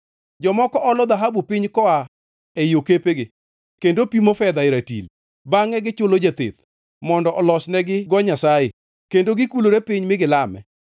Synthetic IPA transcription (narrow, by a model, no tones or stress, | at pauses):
d͡ʒɔmɔkɔʔɔlɔd̪aɦabupɪɲkɔa | ɛjokepeɡɪ | kendopimofɛd̪aɪɾatḭl | baŋɛɡɪt͡ʃʊlod͡ʒat̪ḛt̪ | mɔndɔʔɔlɔt͡ʃnɛɡɪɡɔɲasaje | kendoɡɪkuloɾepɪɲmɪɡɪlamɛ̰